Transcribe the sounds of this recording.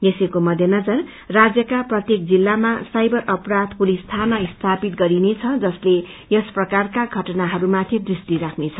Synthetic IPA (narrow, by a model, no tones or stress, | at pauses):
jesekomʌd̪ʱjʌnʌd͡zʌrː | ad͡zjʌkaprʌt̪jek̚d͡zilːamasajbʌrʌprad̪pulist̪ʰanʌist̪ʰapit̪̚ɡʌɾinet͡sʰʌd͡zʌsle | jʌsprʌkarkaɡʱʌʈʌnaɦʌɾumat̪ʰid̪rist̪iɾakʰnet͡sʰʌ̥